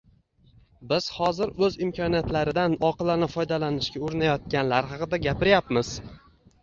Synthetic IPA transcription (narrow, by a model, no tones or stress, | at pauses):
bɪz̥hɒzɪɾɵzɪmkʲʰɒnijat̪laɾɪd̪anɒqɨlˠanɪfɒjd̪alanɪʃkʲaʊɾɪnajɒt̪̚kʲanlaɾɦɑqɨd̪aɡʲapɪɾjapmɪz̥